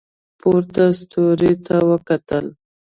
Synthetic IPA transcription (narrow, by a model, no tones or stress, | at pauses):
poɾt̪ast̪oɾet̪ʰawəkat̪əl